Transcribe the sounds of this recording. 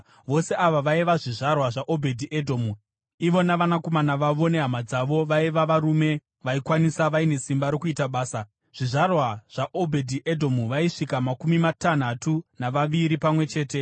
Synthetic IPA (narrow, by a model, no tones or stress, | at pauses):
ʋo̞se̞aʋaʋaiʋaʐiʐarwaʐaʔobʱe̞dʱiʔedʱo̞mu | iʋo̞naʋanako̞manaʋaʋo̞ne̞ɦamad͡zaʋo̞ʋaiʋaʋaɾume̞ | ʋaikwanisaʋaine̞simbaɾokuitaɓaːsa | ʐ̥iʐarwaʐ̥aʔo̞bʱedʱiʔedʱomuʋaiʂikamakumimatan̤atunaʋaʋiɾipamwe̞t͡ʃe̞ːte̞